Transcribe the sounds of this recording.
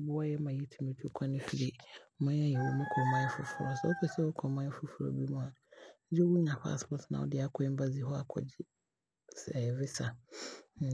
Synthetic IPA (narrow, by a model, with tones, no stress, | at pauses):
bʊ˦a˦jɛ˦mã˨ji˦tʰi˨mẽ˨tʰu˦kʰa˦nɪ̃˦fi˨ɾi˦mʊ̃˦a˦jɛ˨wo˨mũ˦kʰɔ˨mã˦ɛ˦fʊ̰˨fʊ˨ɾɔ˨sɛ˦ɔ˦kʰɛ˨sɛ˦ʊ˦kʰɔ˨mã˦ɛ˦fʊ˦fʊ˨ɾɔ̰˨bi˦mʊ̃˦a˨˦d͡ʑɛ˦wu˦ɲã˨ɸa̰˦˨spɔ˦tʰnã̰˨ɔ̰˦dɪ˨a˦kʰɔ˦ɪ˦m˦ba˦zi˨hɔ˦a˨kʰɔ̰˨d͡ʑɪ˦ | sɛ˨vɪ˦sa˨